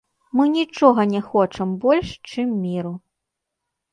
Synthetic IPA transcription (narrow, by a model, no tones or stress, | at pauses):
mɨnʲit͡ʂɔɣɐnʲɛxɔt͡ʂɐmbɔlʲʂt͡ʂɨmːʲiɾu